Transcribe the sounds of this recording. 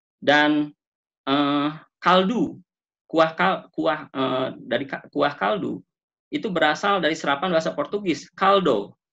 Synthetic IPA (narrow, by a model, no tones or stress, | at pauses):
dan | əkaldu | kuahkakuahədaɾikkuahkaldṵ | ʔit̪ubəɾasaldaɾisəɾapanbaɦasapɔrt̪uɡɪskaldo